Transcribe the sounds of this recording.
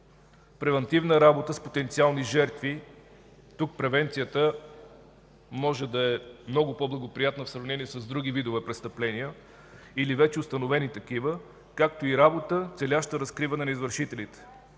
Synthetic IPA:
pɾɛvɐnt̪ivnəɾabot̪əspot̪ɛnt̪sialˠniʒɛɾt̪vi | t̪uk̚pɾɛvɛnt̪sijət̪ə | mɔʒɛd̪ɐɛmnɔɡʊpoblˠɐɡopɾijat̪nɐfsɾɐvnɛniɛsɐzd̪ɾuɡivid̪ovɛpɾɛst̪əplɛnijə | ilivɛt͡ʃɛʊst̪ɐnovɛnit̪ɐkivə | kak̚t̪oiɾabot̪ət̪sɛlʲaʃt̪əɾɐskɾivɐnɛnɐizvəɾʃit̪ɛlit̪ɛ̥

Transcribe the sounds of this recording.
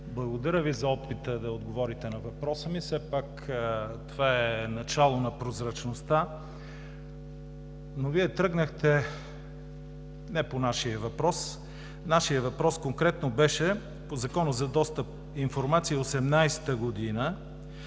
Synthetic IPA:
blˠɐɡod̪ɐɾʲəvizɐɔpit̪əd̪ɐod̪ɡovɔɾit̪ɛnɐvɐpɾɔsəmifsɛpak | t̪ovaɛnɐt͡ʃalˠonɐpɾozɾɐt͡ʃnost̪a | noviɛt̪ɾɤɡnəxt̪ɛ | nɛponaʃiəvɐpɾɔs | naʃiəvɐpɾɔskoŋkɾɛt̪nobɛʃɛ | pozɐkɔnəzɐd̪ɔst̪əp̚ | infoɾmat̪siiosɛmnajst̪əɡod̪inə

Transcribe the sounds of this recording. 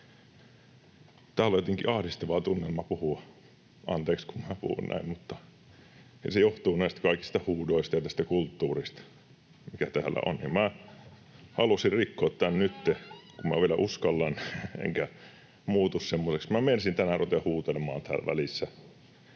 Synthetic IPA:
t̪æːljot̪eŋkḭʔɑhdist̪ɑʋɑt̪unːelmɑpuhu | ʔɑnt̪eːkskummæpṵhṵnnæ̰immut̪ːɑ | ɑ̰sejoht̪uːnæˑist̪æ̥kɑikist̪ɑhuːdoist̪ɑjɑt̪æst̪ækult̪ːuːrist̪ɑ̥ | mikæt̪æːlːæ̰ʔo̰nnḭːmmæ | hɑlusirrikːoːt̪t̪ænnyt̪ːekummæ̰ʋielæʔuskɑlːɑnḛŋkæ | muːt̪ussemːoseksmæmensint̪ænærut̪ehuːt̪elemɑ̰ːnt̪æ̰ːlʋæ̰lisːæ

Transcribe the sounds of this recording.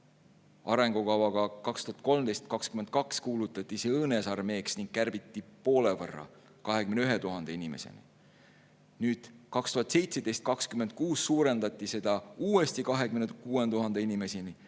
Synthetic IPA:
ɑɾe̞ŋɡ̥ukɑwɑɡ̥ɑkɑkst̪uhɑt̪̚ko̞lmd̪e̞jst̪̚kɑkskyme̞nd̪̥̚kɑkskuːlut̪ːˑɑt̪ːˑisɤːnesɑrme̞ːksniŋɡ̥̚kːærb̥it̪ːipo̞ːlevɤ̰rːɑ̰ | kɑɦe̞kymneyɦe̞t̪uɦɑnd̪einime̞̰sḛnḭ | nyːd̪̥kɑkst̪uhɑt̪se̞jt̪se̞d̪̥e̞jst̪̚kɑkskymend̪̥̚kuːsːuːɾe̞nd̪̥ɑt̪ʲˑːise̞d̪̥ɑuːe̞st̪ikɑɦekymnekuːend̪uɦɑnd̪einime̞sini

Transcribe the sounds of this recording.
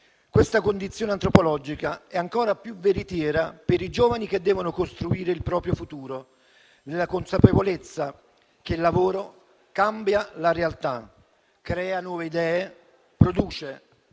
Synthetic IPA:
kwest̪akond̪it̪sːjoːneant̪ɾopolɔd͡ʒikaɛaŋkɔːɾapjuveɾit̪jɛːɾapeɾid͡ʒoːvanik̟ed̪ːɛːvonokost̪ɾuiːɾeilpɾɔːpɾjofut̪uːɾo | nelːakonsapevolet̪sːa | k̟elːavoːɾo | kambjalaɾealt̪a̰ | kɾɛːanwɔːveid̪ɛːe | pɾod̪uːt͡ʃe

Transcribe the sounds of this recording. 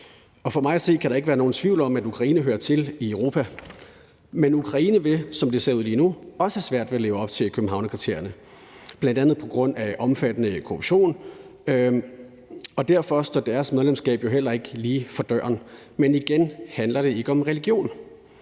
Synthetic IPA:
ɒ̽fɒ̽mɑ̈ɪæse̝̰ːkʰæɾ̥ɑ̈eɡəʋæːɐno̝ːnt͡sʰʋiʊlɒ̽mæd̥ukʰʁɑ̈iːnəɦøːɐt͡sʰe̝liəʊʁo̝ːpʰæ | menukʰʁɑ̈iːnəʋe̝sɒ̽md̥e̝se̝ɐuð̰ˠliːnuɒ̽səhæsʋæɐ̰d̥ʋe̝le̝ːʊɒ̽b̥t͡sʰe̝kʰøb̥m̩ɦɑ̈ʊ̰nəkʰʁit͡sʰe̝̰ɐ̰jɐnə | b̥lænd̥ænð̩ˠpʰɒ̽ɡ̥ʁɔ̽n̰æʔɒ̽mfæd̥ənəkʰoʁub̥ɕo̝̰ːn | ɒ̽d̥æɐfɒ̽sd̥ɒ̰d̥æɐsmeðˠlemsɡ̥ɛ̰ːb̥jo̝ɦel̰ɐe̝ɡ̥əliːfɒ̽d̥ɶɐ̰n | meniɡ̥enhænlɐɾ̥e̝e̝ɡ̥əɒ̽mʁɛliɡ̥jo̝̰ːn

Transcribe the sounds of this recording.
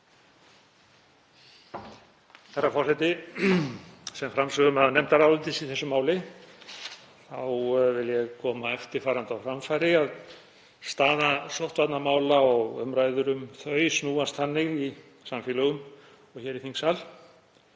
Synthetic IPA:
θɛrːafɔrsɛt̪ɪ | sɛmfɾamsœɣʏmaðnɛm̥t̪aɾaːwlʏnt̪ɪsiθɛsːʏmaːwlɪ | θawvɪljɛɣkʰɔːmaɛft̪ɪɾ̥faːɾant̪awfɾamfajɾɪað | st̪aːðasɔwht̪vat̪namaːwlaɔɣœmɾajðʏɾʏmθœɥsnuːanst̪hanːɪɣi | samfɛlœɣʏm | ɔɣçɛɾiθiŋsal

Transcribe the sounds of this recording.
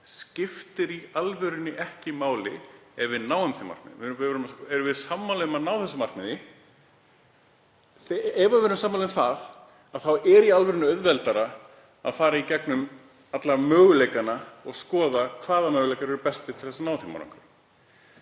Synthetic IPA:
scɪft̪ɪɾialvɛɾʏnːɪʔɛhcɪmaːwlɪɛvɪðnaːwʏmθima̰rk̚nɪ̰ðɪvɾʏmasɛɾvɪðsamːalœmanaːwθɛsːʏmar̥knɪðɪ | ɛvavɛːɾʏmsaːmːalɪmθað | aðθawɛɾialvɛɾʏnːɪœðvɛlt̪aɾa | a̰ðfaːɾaicɛknʏm | at̪laɾmœːɣʏleːjkanaɔɣskɔːðakʰvaːðamœːɣʏlejkaɾɛɾʏpɛst̪ɪt̪ʰɪθɛsanaːwθima̰wɾa̰ŋkaɾ

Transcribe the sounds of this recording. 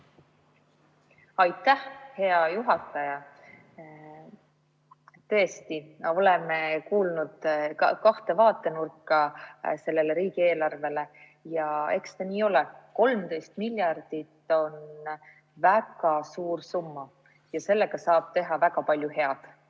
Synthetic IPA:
ɑjt̪ːˑæhhe̞ɑjuɦɑt̪ːˑɑjɑ | t̪ø̞est̪io̞lemekuːlnud̪̥kɑht̪e̞vɑːt̪ːˑe̞nurkːˑɑse̞lːe̞leɾiːɡ̥ie̞ːlɑrve̞le̞ | jɑe̞kst̪ɑniːo̞lɛko̞lmt̪e̞jst̪milʲːjɑrd̪̥it̪ːˑo̞n | væɡ̥ɑsuːrsumːɑ | jɑse̞lːe̞ɡ̥ɑsɑːb̥̚t̪e̞ɦɑvæɡ̥ɑpɑlʲjuhe̞ɑd̪̥

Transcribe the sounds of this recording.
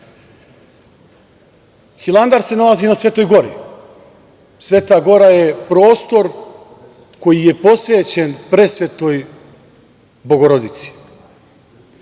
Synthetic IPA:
xilˠand̪aɾse̞nalazinasʋe̞ːt̪o̞jɡo̞ɾḭ | sʋe̞ːt̪aɡo̞ɾaje̞pɾo̞ːst̪o̞ɾ | ko̞jije̞po̞sʋe̞ːt͡ɕenpɾe̞sʋeːt̪o̞j | bo̞ɡo̞ɾo̞d̪it̪si̥

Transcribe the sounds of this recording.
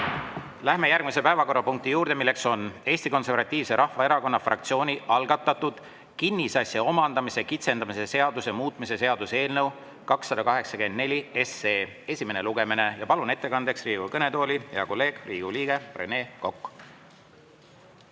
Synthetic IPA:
læhme̞jærɡ̥mise̞pæevɑko̞rːɑpuŋk̚t̪ijuːɾd̪̥e̞milːe̞kso̞ne̞ːsʲt̪iko̞nse̞rvɑt̪ʲːˑiːvse̞ɾʔɑhvɑe̞ɾɑko̞nːɑfrɑ̰k̚t̪sio̞ːnʲiʔɑlɡ̥ɑt̪ːˑɑt̪ːud̪̥ | kinʲːisɑsjɑo̞mɑnd̪̥ɑmise̞kit̪se̞nd̪ɑmise̞se̞ɑd̪usemuːt̪ˑmise̞se̞ɑd̪̥use̞ːlnɤw | kɑksːɑd̪̥ɑkɑɦe̞ksɑke̞nd̪̚ne̞lʲie̞seː | e̞sʲime̞ne̞luɡ̥e̞mine̞jɑpɑlune̞t̪ːe̞kɑnd̪e̞ksriːɡ̥ukɤne̞t̪o̞ːlʲijɑko̞lːe̞ːɡ̥riːɡ̥uliːɡ̥e̞prḛne̞ːko̞kː

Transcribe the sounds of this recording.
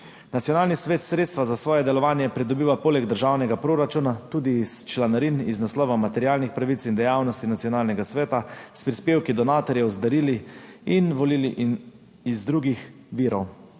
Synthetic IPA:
nat̪sijɔnaːlnisʋeːt̪sɾet̪st̪ʋazasʋɔːjɛd̪ɛlɔʋaːnjɛpɾɛd̪ɔbiːʋapoːlɛɡd̪əɾʒaːwnɛɡapɾoːɾat͡ʃunat̪uːd̪iːst͡ʃlanaɾiniznaslɔːʋamat̪ɛɾjaːlnixpɾaʋit̪sind̪ɛjaːwnɔst̪inat̪sijɔnaːlnɛɡasʋɛːt̪aspɾispeːwkid̪ɔnaːt̪ɔɾjɛwzd̪aɾiːliinʋɔliːliʔ | izd̪ɾuːɡix | ʋiːɾɔw

